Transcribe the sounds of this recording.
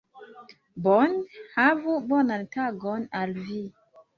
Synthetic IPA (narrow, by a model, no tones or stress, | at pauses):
bɔnhavubɔnantaɡɔnalvi